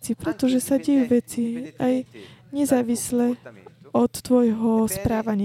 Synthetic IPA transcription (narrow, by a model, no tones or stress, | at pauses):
t͡sipɾɛt̪ɔʒɛsaɟɛjuʋɛt͡siajɲɛzaːʋislɛɔt̪ːʋɔjɦɔspɾaːʋaɲɪ